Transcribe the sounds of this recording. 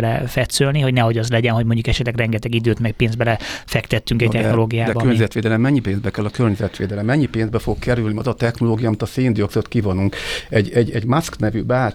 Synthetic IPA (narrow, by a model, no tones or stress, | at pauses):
lɛfɛt̪sølniɦo̞ɟnɛɦo̞ɟɒzlɛɟɛnɦo̞ɟmo̞ɲɟukɛʃɛt̪lɛɡrɛŋɡɛt̪ɛɡid̪øːt̪mɛkpeːnzbɛlɛfɛkt̪ɛt̪ːyŋkɛ̥t̪ɛxno̞loːɡijaːbkørɲɛzɛt̪ʋeːd̪ɛlɛmːɛɲːipeːnzbɛkɛlːɒkørɲɛzɛt̪ʋeːd̪ɛlɛmːɛɲːipeːnzbɛfo̞kkːɛɾylniɒzɒt̪ɛxno̞loːɡijɒːmit̪ɒseːnd̪ioksot̪kivonuŋkɛɟɛɟɛɟmasknɛvybaː